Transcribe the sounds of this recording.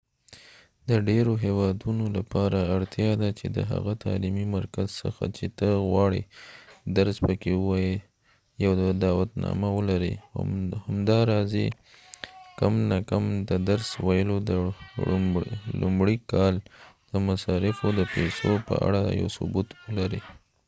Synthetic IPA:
d̪əɖeɾoɦewɑd̪unolapɑɾaːɽt̪jɑd̪at͡ʃed̪ə̰ɦa̰ɣat̪ɑ̰limimaɾkazsə̰xa̰t͡ʃet̪əɣwɑɽid̪aɾspəkewɑje | jawd̪ɑwat̪nɑ̰mawəlaɾḭhamd̪ɑɾɑzḛ | kamnakamd̪əd̪aɾswajəlod̪ə | lʊmɽikɑld̪̥əmasɑɾɪfod̪əpesopə̰a̰ɽaja̰wsʊbut̪wəlaɾi

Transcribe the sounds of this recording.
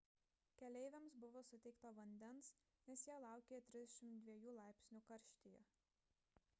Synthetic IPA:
kʲɛlʲɛɪʋʲɛmsbʊʋoːsʊt̪ʲɛɪkt̪ɐʋɐnʲd̪ʲɛns | nʲɛsjiɛlˠɑˑʊkʲeːjɛt̪ʲɾʲɪzd̪ʲɛʃʲɪmt̪̚d̪ʲʋʲiɛjuːlˠɑˑɪpʲsʲnʲuːkɐɾʲʃʲt̪ʲɪjɛ

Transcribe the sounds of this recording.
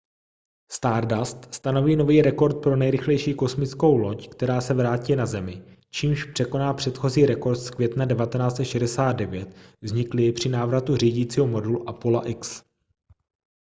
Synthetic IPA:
st̪aːɾdast̪st̪ano̞viːno̞viːɾɛko̞ɾt̪̚pɾo̞nɛjɾɪxlɛjʃiːko̞smɪt͡skowlockt̪ɛɾaːsɛvɾaːciːnazɛmɪ | t͡ʃiːmʃpr̥ɛko̞naːpr̥ɛt̪xo̞ziːɾɛko̞ɾt̪skvʲjɛt̪nadɛvat̪ɛnaːt͡sɛt̪ʃɛdɛsaːd̪̚dɛvjɛt̪vzɲɪklɪɪpr̝̥ɪnaːvɾat̪ur̝iːɟiːt͡siːɦomo̞dulʔapola̰ʔɪks

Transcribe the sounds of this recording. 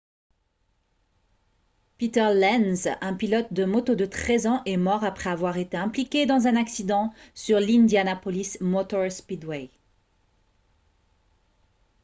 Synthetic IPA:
pit̪ɛʁlɛnzɛ̃pilɔt̪̚d̪əmɔt̪od̪ət̪χɛzɑ̃ʔɛmɔʁapχɛavwaʁet̪eɛ̃plikʲed̪ɑ̃zɛ̃naksid̪ɑ̃syʁlind̪janapɔlismɔt̪ɔʁspid̪we

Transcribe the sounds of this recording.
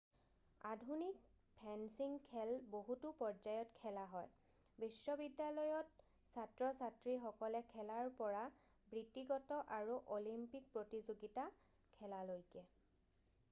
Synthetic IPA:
adʱunik̚ | pʰɛnsiŋkʰːɛlboɦutupɔɹd͡ʒajɔtkʰɛlaɦɔj | bisːɔbidjalɔjɔt | satɹɔsatɹixɔkɔlɛkʰɛlaɹpɔɹa | bɹitiɡɔtɔʔaɹuʔolimpik̚pɹotizoɡita | kʰɛlalojkɛ

